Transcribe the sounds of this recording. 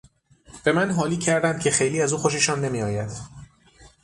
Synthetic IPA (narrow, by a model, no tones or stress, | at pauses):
b̥e̞mænɦɒːliːcʰæɾd̪ænd̪̥̚cʲʰe̞xe̞jliːæzuːxo̞ʃ̬e̞ʃɔːnːe̞miːɒːjæd̪̥